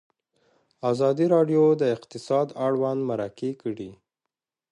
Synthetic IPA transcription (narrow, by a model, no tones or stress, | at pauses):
azɑd̪iɾɑɖjod̪əɪqt̪ɪsɑd̪aɽwand̪maɾakekəɽi